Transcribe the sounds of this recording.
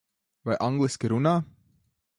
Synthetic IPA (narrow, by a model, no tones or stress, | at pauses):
vɑjʔɑŋɡliskiɾunɑ